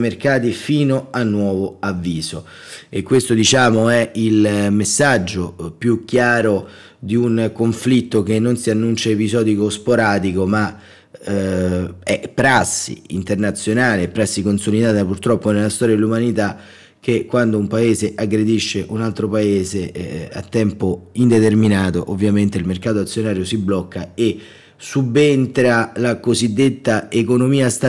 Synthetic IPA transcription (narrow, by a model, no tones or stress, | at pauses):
merkaːt̪̬ifiːnoanːwɔːvoavːiːzo | ekːwest̪od̪it͡ʃaːmoɛilmesːad͡ʒːopjukːjaːɾo | d̪iunkoɱflit̪ːokenːonsianːunt͡ʃaepizɔːd̪ikospoɾaːd̪ikoma | ɛpːɾasːḭḭnt̪ernat̪sːjonaːleɛpːɾasːikonsolid̪aːt̪apurt̪ɾɔpːonelːast̪ɔːɾjad̪elːumanit̪a | k̟ːekːwand̪oumpaeːzeʔaɡɾed̪iʃːeʔunalt̪ɾopaeːzea̰t̪ːɛmpoind̪et̪erminaːt̪oʔovːjament̪eilmerkaːt̪oat̪sːjonaːɾjosibːlɔkːae | subːent̪ɾalakozid̪ːet̪ːaekonomiːast̪a